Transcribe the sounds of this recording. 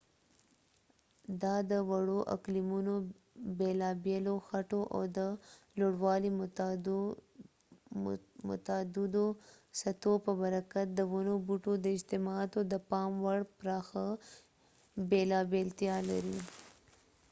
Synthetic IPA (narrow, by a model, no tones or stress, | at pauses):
d̪ɑd̪əwaɽoʔa̰klimuno | belɑbeloxaʈoʔa̰wd̪əloɽwɑli | mʊ̰t̪ad̪ɪd̪o | sat̪opəbaɾakat̪̚d̪əwanobuʈod̪əɪd͡ʒt̪ɪmɑt̪od̪əpɑmwaɽpɾɑxa | belɑbelt̪jɑla̰ɾi